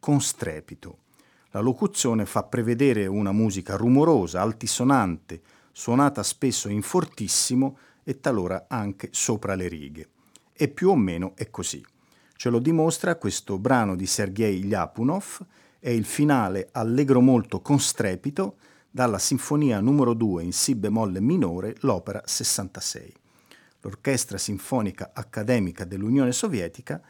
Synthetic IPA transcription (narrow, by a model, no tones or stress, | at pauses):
konst̪ɾɛ̰ːpit̪o | lalokut̪sːjoːnefapːɾeved̪ɛːɾeunamuːzikarumoɾoːzaːlt̪isonant̪e | swonaːt̪aspesːoiɱfort̪isːimo | et̪ːaloːɾaaŋk̟esoːpɾaleɾḭːɡe | epːjuomːeːnoʔɛkːoz̥ḭ | t͡ʃelod̪imost̪ɾakwest̪obɾaːnod̪iserɡɛjʎa̰ːpunof | ɛilfinaːlealːɛɡɾomolt̪okonst̪ɾɛːpit̪o | d̪alːasiɱfoniːanumeɾod̪uːeinsibːemɔlːeminoːɾelɔːpeɾa̰sesːant̪asɛ̰j | lo̰rkɛst̪ɾasiɱfɔːnikaʔakːad̪ɛːmikad̪elːunjoːnesovjɛːt̪ika